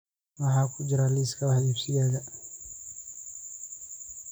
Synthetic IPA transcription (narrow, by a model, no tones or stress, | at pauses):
maɦakud͡ʒɾaliskawahipsiɡaɡa